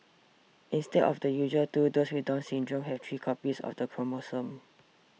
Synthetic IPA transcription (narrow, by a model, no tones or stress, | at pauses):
ʔĩnstɛdɔ̰fdəjuʒətudoswidãnsĩndɹɔ̃mɦɛft̪ʰɹiːkʰɔpisɔ̰fdəpʰɹɔmosə̃m